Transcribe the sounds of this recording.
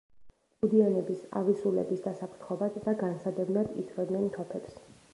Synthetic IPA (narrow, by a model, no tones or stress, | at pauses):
pud̪ianɛbisa̰visulɛ̰bisd̪asapʰɾt̪ʰχɔbad̪ːaɡansad̪ɛbnad̪ḭt̪sʰɾɔd̪nɛnt̪ʰɔpʰɛps